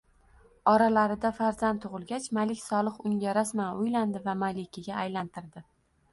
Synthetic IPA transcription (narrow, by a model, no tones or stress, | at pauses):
ɒɾalaɾɪd̪afaɾzant̪ʰːʊʁɨlˠɡʲat͡ʃmalɪkʲsɒlˠɨqʊŋɡʲaɾasmanʊjland̪ɪvamalɪkʲɪɡʲaːjlant̪ɪɾd̪ɪ